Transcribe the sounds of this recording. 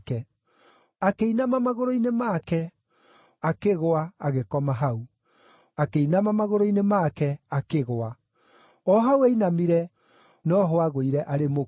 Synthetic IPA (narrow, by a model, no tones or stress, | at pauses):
kɛ | akeinamamaɣoɾoinemaːkɛ | akeɣoaaɣekɔmaɦau | akeinamamaɣoɾoinemakɛakeɣoa | ɔɦaueinamiɾɛ | nɔɦwaɣoiɾɛʔaɾemo